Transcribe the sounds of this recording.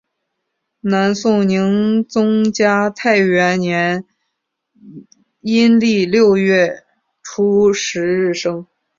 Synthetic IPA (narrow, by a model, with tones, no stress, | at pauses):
na˧˥nsʊ˥˩ŋni˧˥ŋt͡sʊ˥ŋt͡ɕja˥t̪ʰa˥˩ɪɥɛ˧˥nnjɛ˧˥n | i˥nli˥˧ljo˥˧ʊɥɛ˥˩ | ʈ͡ʂʰu˥ʂɻ̩˧˥ɻ̩˥˩ʂɤ˥ŋ